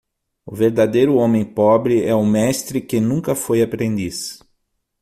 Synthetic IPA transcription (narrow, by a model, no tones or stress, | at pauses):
ʊ̰veɾd̪ad̪ejɾʊõmẽj̃pɔbɾɪɛʊmɛst̪ɾɪkɪnũŋkɐfojapɾẽnd̪is